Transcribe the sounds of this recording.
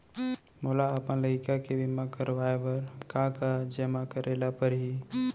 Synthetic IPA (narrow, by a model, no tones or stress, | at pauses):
moːlaəpənləkakeʋɪmakəɾʋaːeʋəɾkãkad͡ʒəmakəɾeːlapəɾɦi